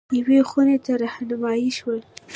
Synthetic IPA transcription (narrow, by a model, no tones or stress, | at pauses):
jawexunet̪aɾɑhnʊmɑjiʃwəl